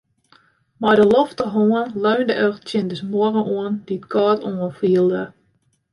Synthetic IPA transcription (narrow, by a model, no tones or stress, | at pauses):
majdəloftəɦoənløːndəʔøxt͡sjɪndəsmoərəʔuənd̥itkʰɔːtuənfiəlˠdə